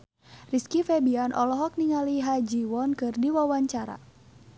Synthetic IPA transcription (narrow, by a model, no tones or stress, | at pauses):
riskifɛbianʔɔ̰lɔɦɔk̚niŋaliɦad͡ʒiwɔnkɨrdiwawaɲt͡ʃaɾa̰